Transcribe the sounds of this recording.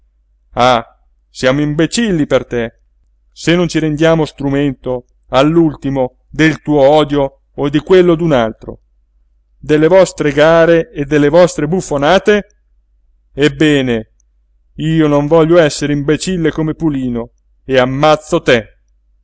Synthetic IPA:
a | sjaːmoimbet͡ʃilːipert̪e | senːont͡ʃiɾend̪jaːmost̪ɾument̪o | alːult̪imo | d̪elt̪uːoɔːd̪jo | od̪ikwelːod̪unalt̪ɾo̰ | d̪elːevɔst̪ɾeɡaːɾeːd̪ːelːevɔst̪ɾebufːonaːt̪e | ebːɛːne | iːonoɱvɔʎːoɛsːeɾeimbet͡ʃilːekomepuliːno | eamːat̪sːot̪e

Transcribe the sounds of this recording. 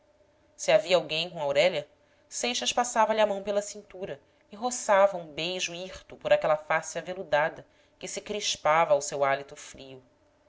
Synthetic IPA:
sɪaviɐawɡẽj̃kõawɾɛʎɐ | sejʃɐʃpasavɐʎɪamɐ̃w̃pelɐsĩnt̪uɾɐ | ɪɦosavɐũbejʒuiχt̪ʊpoɾakɛlɐfasavelud̪ad̪ɐ | kɪsɪkɾiʃpavɐːwsewalit̪ufɾiu

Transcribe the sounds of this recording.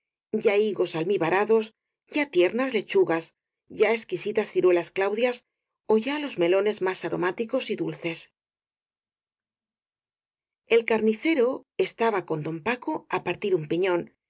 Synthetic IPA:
ɟ͡ʝaiɣo̞salmiβaɾaðo̞s | ɟ͡ʝat̪je̞ɾnazle̞t͡ʃuɣas | ɟ͡ʝae̞skisit̪asθiɾwe̞lasklawðjas | o̞ʝalo̞zme̞lo̞ne̞zmasaɾo̞̰mat̪iko̞siðulθe̞s | e̞lkaɾniθe̞ɾo̞e̞st̪aβako̞nd̪o̞mpako̞apaɾt̪iɾumpiɲõ̞n

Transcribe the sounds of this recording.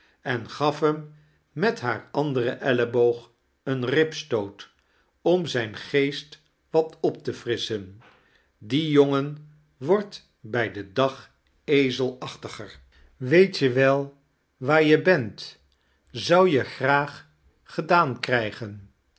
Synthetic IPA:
ɛnχɑfɦəmː | ɛtɦaːɹɑndərəʔɛləbowχ | ənrɪpstowt | ɔmzɛjnχejst | ʋɑtɔp̚təfrɪsən | dijoŋən | ʋɔɹt | bɛjdədɑχ | ejzəlˠɑχtəχər | ʋejtjəʋɛlˠ | ʋaːɹjəbɛnt | zɑwjəχraːχ | χədaːnkrɛjχən

